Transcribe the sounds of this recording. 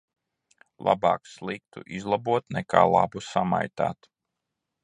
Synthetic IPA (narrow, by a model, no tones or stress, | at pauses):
lˠa̰bɑːkslˠik̚t̪ṵʔizlˠabuɔt̪nɛkʰaːlˠa̰busamajt̪aːt̪